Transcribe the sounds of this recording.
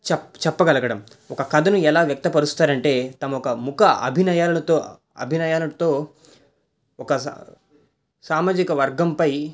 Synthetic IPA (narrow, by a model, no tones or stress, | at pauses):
t͡ʃɛt͡ʃɛpːɐɡɐlɐɡɐɽɐm | ɔkɐkɐd̪ʱɐnuɛlaːʋjɐk̚t̪ɐpɐɾust̪aːɾɐɳʈe̞ːt̪ɐmɐɔkɐmukɐɐ̰bʱinɐjaːlunɐt̪oː | ɐ̰bʱinajaːlut̪o̞ː | ɔkɐ | saːmaːd͡ʒikɐʋɐɾɡɐmpɐj